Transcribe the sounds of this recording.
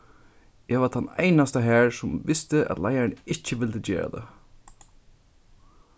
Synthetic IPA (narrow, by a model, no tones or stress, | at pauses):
jɛʋat̪ʰanḛjnast̪aɦæːɹsʊmʋɪst̪ɪʔæ̰t̪lajaɹnɪt͡ʃːəʋɪld̪əd͡ʒḛːɹa̰d̪ə̰